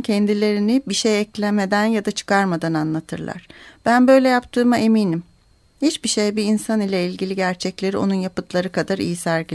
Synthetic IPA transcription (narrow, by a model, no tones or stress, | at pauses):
cʰɛnd̪ilʲe̞ɾinɪbiʃejɛclʲɛmed̪ænjad̪at͡ʃʰɯ̥kʰaɾmad̪ananlˠat̪ʰɯ̰ɾlˠa̰ɾ̥b̥ænbø̞jlʲɛjapt̪ʰɯːmaʔemiːnim | hit͡ʃbiʃejbiinsanilʲɛilʲɟilʲiɟæɾt͡ʃʰɛclʲe̞ɾio̞nunjapɯt̪ʰlˠaɾɯkad̪aɾḭjisæɾɟilʲ